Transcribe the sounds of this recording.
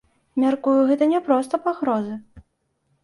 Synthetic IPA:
mʲarkujuɣɛt̪ɐnʲɛpɾɔst̪ɐpaɣɾɔzɨ

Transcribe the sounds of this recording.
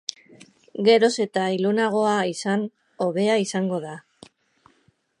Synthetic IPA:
ɡe̞ɾo̞se̞t̪ailunaɣ̞o̞aisan | o̞βe̞aisaŋɡo̞ða

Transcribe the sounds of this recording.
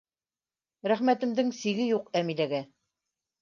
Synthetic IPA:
ɾæχmæt̪ɘ̆md̪ɘŋsiɡɘjuqæmilæɡæ

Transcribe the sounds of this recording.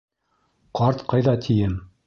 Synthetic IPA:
qɑɾt̪qʰɑjðɑt̪ʰijɘm

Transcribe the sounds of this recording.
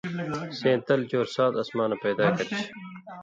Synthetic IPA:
sẽːt̪ɐlt͡ɕoːɾsaːt̪ɐsmaːnɐpeːd̪aːkɐɾit͡ɕʰ

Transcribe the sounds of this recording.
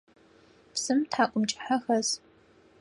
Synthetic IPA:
psɨmtħaːkʷʼʊmt͡ʃʼɪ̥ħaxɐz

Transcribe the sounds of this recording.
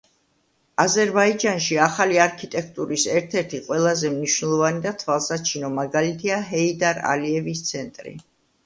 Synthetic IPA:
azɛɾbaid͡ʒanʃiaχaliaɾkʰit̪ʼɛkʰt̪ʼuɾisɛɾt̪ʰɛɾt̪ʰiqʼwɛlˠazɛmniʃwnɛlˠɔvanid̪at̪ʰvalˠsat͡ʃʰinɔmaɡalit̪ʰiaɦɛid̪aɾa̰liɛvist̪sʰɛnt̪ʼɾḭ

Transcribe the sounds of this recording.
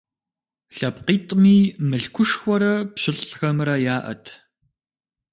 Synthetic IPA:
ɬɐpqiːtʼmiːmɨɬkʷʰʊʂxʷɔɾɐpɕɪɬʼxɐmrɐjaːʔɐ̰tʰ

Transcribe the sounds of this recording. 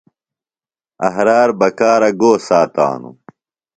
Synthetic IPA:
ɐ̰ɦɾaːɾbɐkaːɾɐɡoːsaːt̪a̰ːnṵ

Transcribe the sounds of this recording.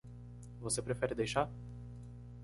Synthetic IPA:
vosepɾefɛɾɪd̪ejʃa

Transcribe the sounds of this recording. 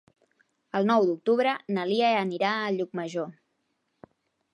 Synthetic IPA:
əlˠnɔwd̪uk̚t̪uβɾənəlieəniɾaəʎuk̚məʒo

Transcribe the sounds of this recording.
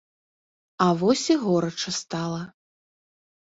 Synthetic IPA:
ɐvɔsʲiɣɔɾɐt͡ʂɐst̪alˠɐ

